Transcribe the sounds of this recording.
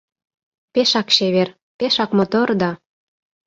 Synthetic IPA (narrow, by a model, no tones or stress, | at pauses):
peʃɑkʃeβer | peʃɑkmɤ̆t̪ɤ̆rd̪ɑ